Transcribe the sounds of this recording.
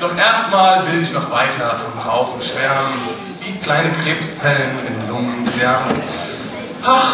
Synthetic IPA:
d̥ɔχʔeɐstmaːlvɪlɪçnɔχv̥aɪtʰɐfɔnʁa̰ʊxn̩ʃv̥ɛɐmən | v̥iːkl̥aɪnəkʁ̥eːpst͡sɛlənɪmlʊŋənv̥ɛɐbən | haχ

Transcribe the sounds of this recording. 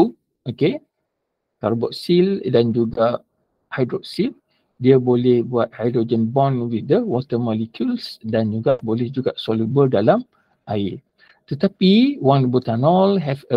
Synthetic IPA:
oke | kaɾbɔʔsildand͡ʒuɡa | hajdɾɔʔsil | diabolɛhbuat̪̚hajdɾod͡ʒənbɔ̃nwid̪əwɔt̪əmɔlikʰjulsdand͡ʒuɡabolɛhd͡ʒuɡasɔlubəldalam | ʔai | t̪ət̪apiwãŋbut̪anɔlɦɛfə

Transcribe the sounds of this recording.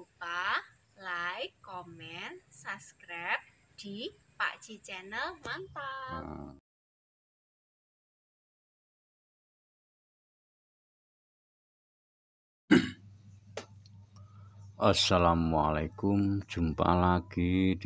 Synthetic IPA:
upa | lajkɔmɛnsaskɾap̚ | d̪̥i̤pa̰ʔd̥ʒ̥i̤t͡ʃɛnəlmant̪a | ʔasalamwalakʊmd̥ʒ̥ṳmpa̰laɡ̥id̪

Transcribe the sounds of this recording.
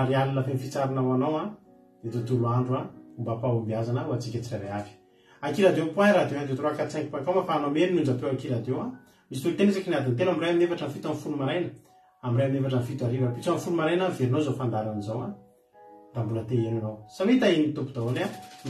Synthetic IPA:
aɾialilafenifit͡saɾinawanawa | d̪̥et̪ut̪uɾuaɳɖ͡ʐuaumbapaumbiazanəuad͡zikʲat͡siraɾajafi̥ | akilad̪ewpaɾad̪ewanzet̪ɾoakat͡saŋkipakamafaːnamelinund͡ʒap̪ewakilad̪ewa | misi̥t̪ult̪enizakinad̪int̪enamirajaminefaʈ͡ʂənfit̪anfulumaɾajnə | amirajmiefaʈ͡ʂənfit̪aɾivapit͡sanfulumaɾajnaveɾinozofand̪aɾanizawa | nd̪ambunət̪eenanowsawit̪aenit̪upud̪aona

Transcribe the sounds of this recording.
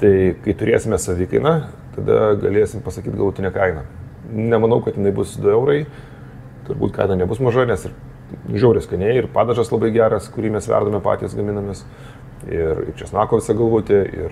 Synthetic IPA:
t̪ɐɪkɐɪt̪ʊɾʲeːsʲɪmʲɛsɐʋʲɪkɐɪnɐ | t̪ɐd̪ɐ̰ɡɐ̰lʲeːsʲɪmpɐsɐkʲiːt̪ɡɐlˠʋoːt̪ʲɪnʲɛkɐɪnɐ | nʲɛmɐnɐʊkɐt̪jɪnɐɪbʊsd̪ʊɛʊɾɐɪ | t̪ʊrbṵːt̪kɐ̰ɪnɐnʲɛbʊsmɐʒɐnʲɛsɪr | ʒʲɛʊɾʲɪskɐɪnʲeːjɪrpɑːd̪ɐʒɐslˠɐbɐɪɡʲæːɾɐskʊɾʲiːmʲɛsʋʲæ̰rd̪oːmʲɛpɑ̰ːtʲijɛsɡɐmʲɪnɐmʲɪs | ɪrɪ̰rt͡ʃʲɛsnɑːkoːʋʲɪsɐɡɐlˠʋoːt̪ʲɪɪ̰r

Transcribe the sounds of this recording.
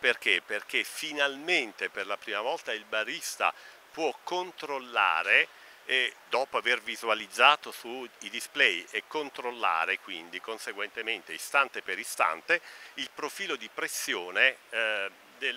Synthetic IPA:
perk̟eperk̟efinalment̪eperlapɾiːmavɔlt̪ailbaɾist̪a̰ | pwɔkːont̪ɾolːa̰ːɾe | d̪ɔːpoavervizualid̪zːaːt̪osuid̪isplɛjekːont̪ɾolːa̰ːɾekwind̪ikonseɡwent̪ement̪eist̪ant̪epeɾist̪a̰nt̪eilpɾofiːlod̪ipɾesːjoːne | d̪el

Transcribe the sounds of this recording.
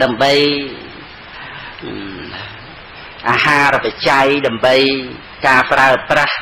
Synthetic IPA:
ɗaəmɓəj | ʔaːhaːrapat͡ɕajɗaəmɓəj | kaːpraəprah

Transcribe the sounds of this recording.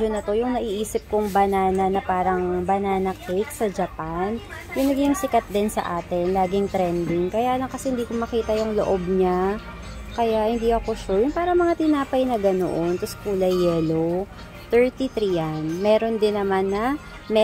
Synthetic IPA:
onɐt̪o̞jʊŋnɐʔiːʔiːsɪp̚koŋbɐnaːnɐnɐpaːɾɐŋbɐnaːnɐkejk̚sɐd͡ʒɐpanjʊŋnɐɡɪjʊŋsɪkɐt̪̚d̪ɪnsɐ̰ʔaːt̪ɛnlaːɡɪŋt̪ɾɛnd̪ɪŋkɐjaːlɐŋkɐsɛhɪnd̪iːkomɐkiːt̪ɐjʊŋloʔob̚ɲa | kɐjaʔhɪnd̪iːʔɐko̞ʃuɹjʊnpaːɾɐmɐŋat̪ɪnaːpɐjnɐɡɐno̰ʔont̪oskuːlɐjːɛlo | t̪ɛɹt̪it̪ɾijanmɛːɾo̞nd̪ɪnːɐmanːɐ | mɛ

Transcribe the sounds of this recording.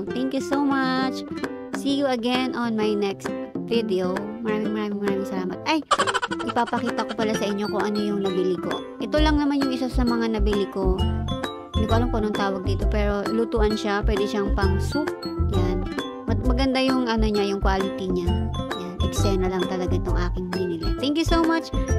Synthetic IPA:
t̪ɛŋkjusowmat͡ʃ | siːjuɐɡɛnʔonmajnɛkst̪̚vɪd̪ɛomɐɾaːmɪŋmɐɾaːmɪŋmɐɾaːmɪŋsɐlaːmɐt̪̚ʔajʔɪpapɐkiːt̪ɐko̞pɐlasɐʔɪɲːo̞kʊŋʔɐno̞jʊŋnɐbilɪko̞̰ | ʔɛt̪o̞lɐŋnɐmanjʊŋʔɪsasɐmɐŋanɐbilɪko̞ | nɪkwaːlomponoŋt̪aːwɐɡ̚d̪iːt̪o̞pɛːɾo̞lut̪uːʔɐnʃapwɛːd̪ɛʃaŋpɐŋsuk̚jan | mɐmɐɡɐnd̪ajʊŋʔɐnoɲajʊŋkwaːlɪnt̪iɲajanpɐɡsɛnɐlɐŋt̪ɐlɐɡat̪ʊŋʔaːkɪŋnɪniːlɪt̪ɛŋkjusowmat͡ʃ

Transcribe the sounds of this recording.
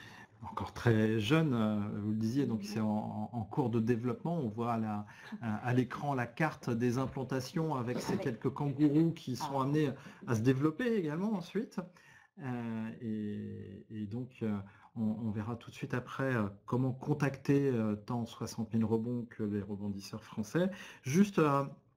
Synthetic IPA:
ɑ̃kɔʁt̪χɛʒœnøvuləd̪izjed̪ɔ̃ksɛ̃ːkuʁd̪əd̪evlɔpmɑ̃ɔ̃vwaːla | alekχɑ̃lakaʁt̪d̪ezɛ̃plɑ̃t̪asjɔ̃avɛksekʲɛlkəkɑ̃ɡuʁukʲʰisɔ̃amneas̬əd̪evlɔpeːɡalmɑ̃ːsɥit̪ | øeː | d̪ɔ̃kʰø | ɔ̃ːvɛʁat̪u̥t̪sɥit̪apχɛøkɔmɑ̃kɔ̃t̪akt̪eøt̪ɑ̃swasɑ̃t̪milʁəbɔ̃kʰəleʁəbɔ̃d̪isœʁfχɑ̃sɛʒyst̪ø

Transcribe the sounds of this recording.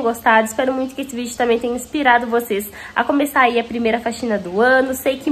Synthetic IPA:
ɡost̪ad̪ʊispɛɾʊmũj̃t̪ʊkɪesɪvid͡ʒʊt̪ɐ̃mbẽj̃t̪ẽj̃ɐĩspiɾad̪ʊvosesɐ̰kõmesaɾaiɐpɾimejɾɐfaʃĩnɐd̪ʊɐ̃nʊsejkɪ

